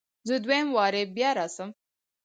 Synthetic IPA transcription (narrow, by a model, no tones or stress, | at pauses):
zəd̪wemwɑːɾebjɑɾasəm